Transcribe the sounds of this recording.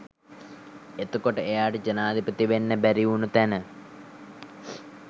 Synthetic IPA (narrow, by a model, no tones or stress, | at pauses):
et̪ːukoʈːɐejaːʈed͡ʒɐnaːd̪ʱipɐt̪iʋenːebɐɾijunut̪ɐnɐ